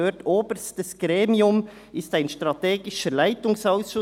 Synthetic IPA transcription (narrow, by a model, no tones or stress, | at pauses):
øːtʰoːbəɾstəsɡ̥ɾeːmiʊm | ɪstaɪnʃtɾɑteːɡɪʃəlaɪtʊŋsaʊsʃʊ